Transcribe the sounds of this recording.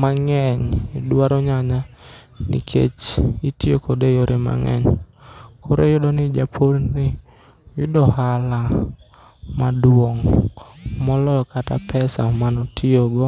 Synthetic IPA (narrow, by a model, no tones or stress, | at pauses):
maŋɛɲidwaɾɔɲaɲa | nḭkʰḛt͡ʃitiokodejoɾʔɪma̰ŋɛ̰ɲ | kʰoɾejʊdɔnɪd͡ʒapʰoɾnɪ | jʊdɔhala | madwoŋ | mɔlɔjɔkata̰pʰɛsamanɔtʰioɡɔ